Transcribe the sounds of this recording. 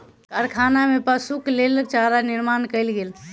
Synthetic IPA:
kaɾkʰaːnamepəsuklelkt͡ʃaːɾanɪɾmaːnkəɪlɡeːl

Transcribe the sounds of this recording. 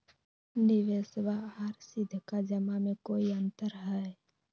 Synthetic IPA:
nɪʋesʋaɦəɾsɪd̪ʱkad͡ʒəmamẽkoːiə̃nt̪əɾɦɛe

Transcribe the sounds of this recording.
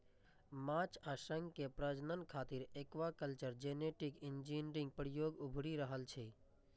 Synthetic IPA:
mat͡ʃaʃə̃ŋɡkepɾəd͡ʒnənkʰaːt̪iɾeːkʋakəlt͡ʃəɾd͡ʒeneʈikɪnd͡ʒinɾɪ̃ŋɡ̚pəɾijoːɡʊbʱɽiɾəɦəlt͡ʃʰɛ

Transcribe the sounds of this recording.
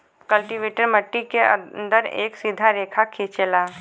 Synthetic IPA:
kəlʈiʋeːʈəɖməʈːikeə̰nd̪əɾḛːksid̪ʱaɾeːkʰakʰit͡ʃelaː

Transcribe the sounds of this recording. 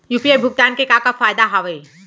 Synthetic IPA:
juːpiajbʱʊɡ̚t̪aːnkekakafaːjd̪aɦaʋe

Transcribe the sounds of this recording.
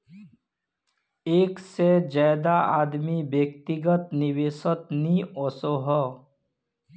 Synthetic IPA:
eːksed͡ʒaːd̪aaːd̪mibjek̚t̪ɪɡət̪nɪweːsət̪nĩɔːsoɦɔ

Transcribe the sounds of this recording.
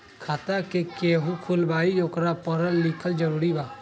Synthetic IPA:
kʰaːt̪akekeːɦukʰʊlbaːioːkɾapəɾəlːɪkʰəld͡ʒəɾuːɾibaː

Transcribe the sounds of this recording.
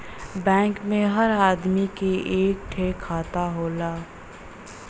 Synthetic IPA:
bɛ̃ːŋkmẽɦəɾaːd̪mikeʔeːk̚ʈʰeːkʰːaːt̪aɦoːlaː

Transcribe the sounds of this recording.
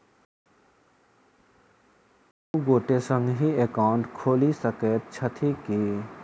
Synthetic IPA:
uɡoːʈesə̃ŋɡɦieːkaːʊɳʈkʰoːlisəkeːt̪̚t͡ʃʰət̪ʰiki

